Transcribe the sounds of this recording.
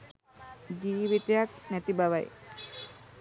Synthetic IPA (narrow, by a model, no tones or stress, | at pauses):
diːʋit̪ejak̚nɛt̪ibaʋaj